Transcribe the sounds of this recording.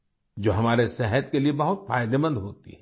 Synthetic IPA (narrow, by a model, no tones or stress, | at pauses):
d͡ʒoːɦɐmaːɾesɛɦət̪keliebɐɦʊt̪fa̰ːjd̪ebə̃nd̪ɦoːt̪ḭɦɛ